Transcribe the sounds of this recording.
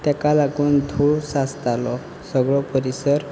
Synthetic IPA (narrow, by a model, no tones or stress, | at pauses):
t̪ɛkalaɡund̪ʱuɭsast̪alɔ | sɔɡɭɔpɔɾisɔɾ